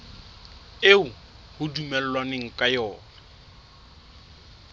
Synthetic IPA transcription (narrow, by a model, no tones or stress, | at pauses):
eʊ | hʊdumɛl̩lwanɪŋ̩kʼajɔːna